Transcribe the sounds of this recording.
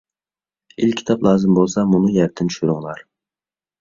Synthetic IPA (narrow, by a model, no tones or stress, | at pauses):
ilʲʰi̥t̪ʰɑplˠɑːzɪmbolˠsɑmʊnɪjæɾt̪ʰɪnt̪ʰy̥ʃyɾɪŋlˠɑɾ